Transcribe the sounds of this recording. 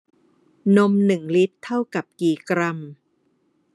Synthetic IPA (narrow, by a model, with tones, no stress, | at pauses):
no˧˥mnɯ˨˩ŋli˦˥t̪ʰːa˥˩wka˨˩p̚kiː˨˩kɾa˧˩m